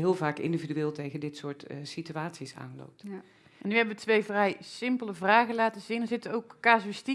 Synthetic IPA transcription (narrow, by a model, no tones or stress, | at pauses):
ɦɪːlˠvaːkɪ̰ndividyʋɪːlˠtejɣəndɪtsʊːɹtsityaːtsisa̰ːnlo̰wp̚t | ʔɛnːyɦɛbəʋətʋejvrɛjsɪmpələvraːɣəlaːtəzinəzɪtəowkːaːzoɪsti